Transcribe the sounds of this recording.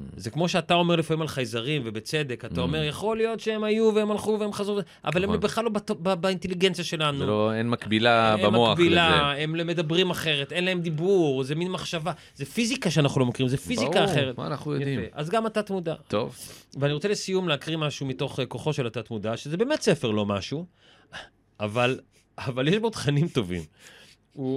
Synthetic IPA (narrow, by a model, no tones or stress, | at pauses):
zekmo̞ʃeatao̞me̞ʁlifamimalχajzaʁimvebet͡sed̪e̞kat̪ao̞me̞ʁjaχo̞lijo̞tʃeemajuveemalχuveemχazʁuve | ʔa̰valembeχlalobatobabainteliɡent͡sijaʃe̞lanuloenmakbilabamoaabilaemleme̞d̪abʁimaχe̞ʁetʔe̞nlae̞md̪ibuʁzeminmaχʃava | zefizikaʃeanaχnulomakiʁimzefizikaːχeʁet̪a̰anaχnujodjafieʔazɡamatat̪mudat̪o̰vveaniʁot͡selesijumleakʁimaʃumito̞χeko̞χo̞ʃelatat̪mudaʃezebeːmetse̞fe̞ʁlo̞maʃu | aval | avaljeʃbodχanimto̞vḭm | u